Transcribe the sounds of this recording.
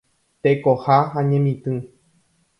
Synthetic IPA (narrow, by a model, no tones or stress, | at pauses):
t̪ekohahãɲẽmĩt̪ɨ̃